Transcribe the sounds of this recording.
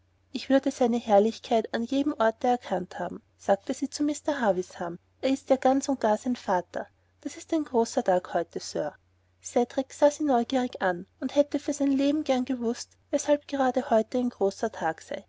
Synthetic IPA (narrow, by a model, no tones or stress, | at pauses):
ʔɪçv̥ʏɐdəsaɪnəhɛɐlɪçkʰaɪtanjeːdm̩ʔɔɐtəɛɐkʰantha̰ːbm̩ | saːk̚təsiːt͡sumɪstɐɦaːvɪsham | ʔeːɐɪstjaːɡ̥ant͡sʊnt̚ɡ̥aːɐsaɪnfaːtʰɐ̰ | d̥asɪstæɪnɡ̥ʁoːsɐtʰaːkhɔʏtəsø̰ːɐ | sɛdʁɪksaːziːnɔʏɡiːʁ̞ɪçanʊnthɛtəfyːɐzæɪnleːbm̩ɡɛɐnɡəvʊst | vɛshalp̚ɡ̥əʁaːdəhɔʏtəæɪnɡ̥ʁoːsɐtʰaːksa̰ɪ